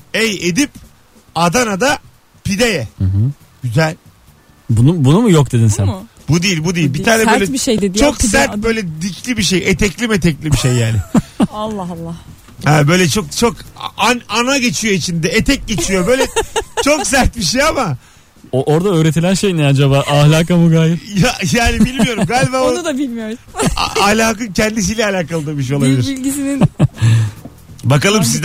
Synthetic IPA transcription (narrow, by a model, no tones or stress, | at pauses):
ejed̪ip | ad̪anad̪a | pid̪ejɛh̩ɦ̩ | ɟ̥yzælʲ | bunubunumujok̚d̪e̞d̪insænbud̪ijilʲbud̪ejilʲbit̪ʰaːnɛbølʲɛʃejdet͡ʃʰo̞ksæɾt̪̚bø̞jlʲɛd̪icʰlʲibiʃejet̪ʰɛclʲimet̪ʰɛclʲibiʃejːaːnɪalˠːlˠːɑ | hɛːbø̞jlʲɛt͡ʃʰo̞kt͡ʃʰokananaɟe̞t͡ʃʰijo̞it͡ʃʰind̪ɛet̪ʰɛc̚ɟe̞t͡ʃʰijo̞bø̞jlʲɛt͡ʃʰoksæɾt̪̚biʃ̬ejama | oʔoɾd̪aøːɾet̪ʰilʲænʃejinad͡ʒabaːʔahlʲaːkamuɡaːjijajaːnibilʲmijo̞ɾumɡaːlʲibaːoud̪abilʲmijoɾṵ | ahlʲaːkɯncʰɛnd̪is̬iːlʲɛalʲaːkalˠɯd̪abiʃ̬ejo̞lˠabilʲiɾilʲɟisinin | bakalˠɯmsizd̪